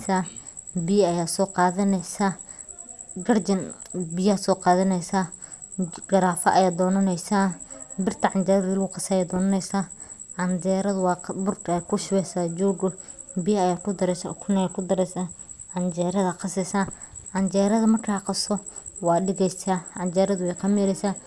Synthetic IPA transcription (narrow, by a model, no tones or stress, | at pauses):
sa | bɪjɐɐjaːsɔːqɑːðɐnɛsa | ɡɐrd͡ʒɐnbɪjasɔːqɑːðɐnɛjsaː | ɡɐɾaːfɐʔɐjaːd̪ɔːnɐnɛjsabɪrt̪ʰɐʕɑnd͡ʒɛːɾɐðɪlɡʊqɑsɐjaːd̪ɔːnɐnɛjsaː | ʕɑnd͡ʒɛːɾɐðʊwɑbʊrkʰːkʰʊʃɪwɛsaːd͡ʒɔːɡɔ | bɪjɐɐjaːkʰʊd̪ɐɾɛskʰʊnɛjaːkʰʊd̪ɐɾɛsa | ʕɑnd͡ʒɛːɾɐðɐqɑsɛsa | ʕɑnd͡ʒɛːɾɐðɐmɐrkʰaqɑsɔ | wɑːdɪɣɛjsaːʕɑnd͡ʒɛːɾɐðʊwɛjqɑmjɛɾɛsaː